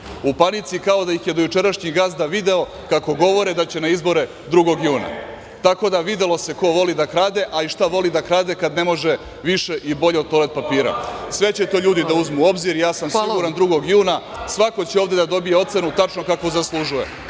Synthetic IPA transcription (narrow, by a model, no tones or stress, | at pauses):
upanit̪sikao̞d̪aixje̞d̪o̞jut͡ʃe̞ɾaʃɲiɡaːsd̪aʋid̪e̞o̞ | kako̞ɡo̞ʋo̞ɾed̪at͡ɕe̞naizbo̞ɾe | d̪ɾuɡo̞ɡjuːna̰ | t̪ako̞d̪aʋid̪e̞lo̞seko̞ʋo̞lid̪akɾaːd̪e̞ʔaiʃt̪aʋo̞lid̪akɾaːd̪e̞kad̪ne̞mo̞ʒe̞ | ʋiʃe̞ʔibo̞ʎeod̪̚t̪o̞le̞t̪̚papiːɾa̰sʋe̞t͡ɕe̞t̪o̞ːʎuːd̪id̪auzmuo̞bziɾijaːsamsiɡɡuɾand̪ɾuɡo̞ɡjuːna | sʋako̞t͡ɕeoːvd̪e̞d̪ad̪o̞bije̞o̞t̪se̞nut̪at͡ʃno̞kako̞zaslˠuʒuje